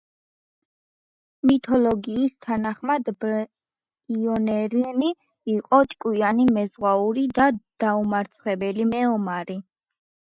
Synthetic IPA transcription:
mit̪ʰɔlɔɡiːst̪ʰanaχmad̪b | iɔnɛɾini | iqʼɔt̪ʼkʼwianimɛzʁwauɾid̪ad̪̥aumaɾt̪sʰχɛbɛlimɛɔmaɾi

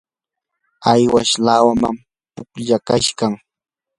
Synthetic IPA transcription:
ajwaʃlawama̰m | pʊkʎakaʃkaŋ

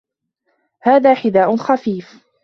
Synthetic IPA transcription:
haːðaːħɪd̪aːʔʊnxafiːf

